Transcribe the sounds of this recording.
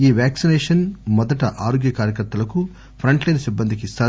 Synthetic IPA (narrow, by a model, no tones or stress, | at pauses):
iːʋaːksineːʂɐnmɔd̪ɐʈɐʔaːɾoːɡjɐkaːɾjɐkɐɾt̪ːɐlɐku | pʰɾɐɳʈlɐjnɐsibːɐnd̪ikist̪aː